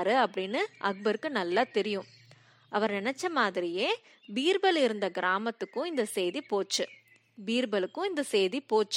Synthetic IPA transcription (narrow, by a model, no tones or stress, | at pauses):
ɾɯɐpːɐɽɪnːɯʔɐɡ̚bɐɾɯkːɯnɐlːat̪ɛɾɪjʊ̃ | ʔɐʋɐɾnɪɳɛt͡ʃːɐmaːðɪɾɪjeː | biːɾbɐlɪɾɯnd̪ɐɡɪɾaːmɐt̪ːɯkːʊ̃ɪnd̪ɐseːðipoːt͡ʃːɯ | biːɾbɐlɯkːʊ̃ɪnd̪ɐseːðipoːt͡ʃː